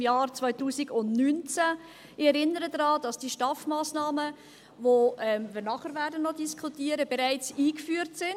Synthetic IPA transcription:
mjɑːɾt͡sʋɔʏtuːsiɡʊnnynt͡sæ | ɪɛɾɪnːəɾədɾɑːd̥ɑsd̥iːʃtɑfmaːsnɑːmə | voɛmviːnɑχəɾvæːɾdənːɔdiskʰutiːəɾəbɛɾaɪt͡siːkfyːəɾtsɪn

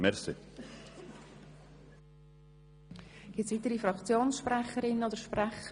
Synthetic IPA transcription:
mɛɾsɪ | ɡ̥ɪtsvitəɾifɾɑkt͡sjoːnsʃprɛχəɾɪnːənod̪əʃpræχə

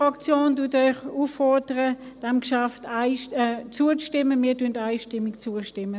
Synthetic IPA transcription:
ʁɑkt͡sjoːntuɐtœʏχufːɔdəʁə | d̥ɛmkʃaftaɪʃt͡suət͡stɪmːəmiːɐtyəntaɪʃtɪmːɪkt͡suəʃtɪmːə

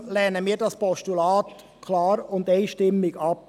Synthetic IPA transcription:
lɛːnəmiːdɑspɔʃtulɑːt̪ | kʰlɑːɾʊnd̪eɪʃtɪmːɪɡɑp

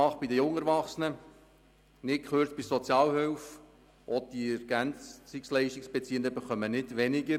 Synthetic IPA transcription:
ɑχb̥idəjʊŋɛɾʋɑχsənə | nɪt̚kχøːɾt͡sb̥isɔt͡sjɑːlhœlf | ʔɔd̥̪iɛɾɡ̥ænt͡sːɪkslɛɪʃtɪksb̥ɛt͡siəndəbəχœmənɪtʋɛnɪɡə

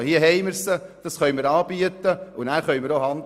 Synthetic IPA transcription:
hiəɦɛɪməɾsəd̥ɑsχœʏməɾɑːb̥yət̪əʊnæːɾχœɥməɾohɑnd̪

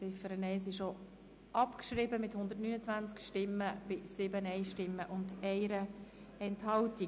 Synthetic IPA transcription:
sɪfəɾənɛɪsɪʃo | ʔɑpkʃɾibəmɪthʊnd̪ətnyːnət͡sʋænt͡skʃtɪmːəb̥ɪsɪbənɛɪʃtɪmːəʔʊndɛɪɾə | ɛnthɑlti

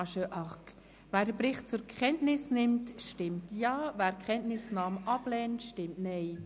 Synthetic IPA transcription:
ʃøʔɑk | væːɾdəbɾɪχt̚t͡sʊɾkʰχɛntnɪsnɪmtʃtɪmtjɑːvæːɾkʰχɛntnɪsnɑːmʔɑb̥lɛːntʃtɪmtnɛɪ

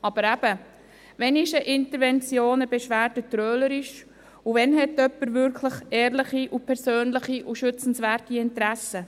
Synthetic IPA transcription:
ɑb̥əɾæb̥ə | vɛnɪʃəʔɪntəɾvɛnt͡sjoːnəbɛʃʋæːɾtətɾøːləɾɪʃ | uvɛnɦɛtœpːəɾvʏɾkʰləχɛːɾləχiʔupʰɛɾsøːnləχiʔuʃʏt͡sn̩svæːɾtiɪntɾæsə

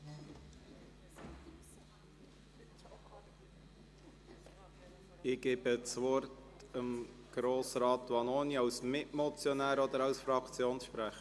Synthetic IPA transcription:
ɪɡ̥ɛbət͡sʋɔɾt | əmɡ̥ɾoːsɾɑːt̪wɑnoːniɑwsmɪʔmɔt͡sjɔnæːɾɔd̪əɾɑwsfɾɑkt͡sjoːnsʃpɾæχə

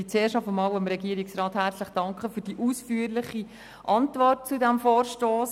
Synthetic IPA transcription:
it͡seːʃɑbəmɑːlwəmɾɛɡ̥iəɾiksrɑːthæɾt͡sləχd̥ɑŋkχəfyːɾdiʔuːsfyːəɾlɪχi | ʔɑntvɔrt̚t͡sudæmfoːɾʃtoːs

